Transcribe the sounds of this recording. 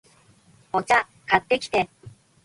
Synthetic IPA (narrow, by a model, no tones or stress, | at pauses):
ot͡ɕa | kat̪ːe̞kʲi̥t̪e